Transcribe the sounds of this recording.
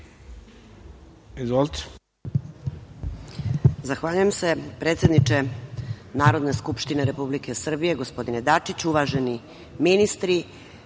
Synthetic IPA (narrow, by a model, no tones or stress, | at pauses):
ezʋolˠt̪ | zaxʋaːʎujemse̞pɾet̪sje̞d̪nit͡ʃe̞ | naːɾo̞d̪ne̞skupʃt̪ine̞ɾe̞publike̞sr̩bije̞ɡo̞spo̞d̪ined̪at͡ʂit͡ɕuʋaʒe̞ni | minist̪ɾi